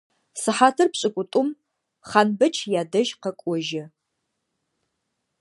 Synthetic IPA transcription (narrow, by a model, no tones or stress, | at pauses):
sɨħaːtʰɐrpɕʼɪkʷʼʊtʼʊm | χanbɐt͡ʃʰjaːdɐʒqɐkʷʼɔʒɪ